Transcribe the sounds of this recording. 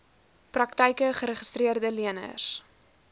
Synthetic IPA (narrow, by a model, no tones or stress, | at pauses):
prɐktəjkəχəɾəχə̥striərdəliənə̰s